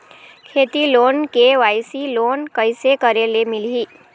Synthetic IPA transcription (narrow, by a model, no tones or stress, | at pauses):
kʰet̪ilonkeʋajsilonkəjsekəɾelemilɦi